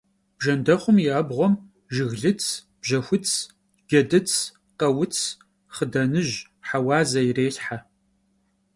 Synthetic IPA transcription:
b̥ʒɐndɐχʷʊmjaːbʁʷɔm | ʒɪɣɮɨt͡sʰ | b̥ʒɐxʷʊt͡sʰ | ɡ̥ʲɐdɨt͡sʰ | qɐwʊt͡sʰ | χədɐnɨʑ | ħawɑːzɐjireːɬħa

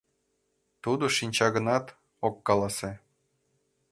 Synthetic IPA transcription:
t̪ud̪oʃinʲt͡ɕɑɣə̆nɑt̪ | okːɑlˠɑse

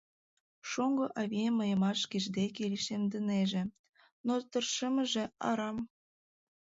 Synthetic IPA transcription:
ʃoŋɡŏʔɑβʲiemːəjɤ̆mɑʃkiʒd̪ekeliʃemd̪ə̆neʒĕ | not̪ərʃəmə̆ʒĕɑ̰ɾɑm

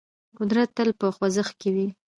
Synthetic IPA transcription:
qʊd̪ɾat̪ːəlpəxwazəxkewi

